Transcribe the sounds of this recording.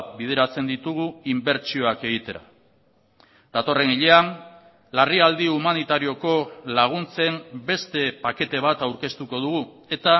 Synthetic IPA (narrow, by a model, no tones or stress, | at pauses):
bið̞e̞ɾat͡se̞nd̪it̪uɣ̞uimbe̞ɾt͡ʃio̞ake̞ɣ̞it̪e̞ɾa̰ | d̪̥at̪o̞re̞niʎe̞an | lariald̪iumanit̪aɾio̞ko̞laɣ̞unt͡se̞mbe̞st̪e̞pake̞t̪e̞β̞at̪awɾke̞st̪uko̞ð̞uɣu | e̞t̪a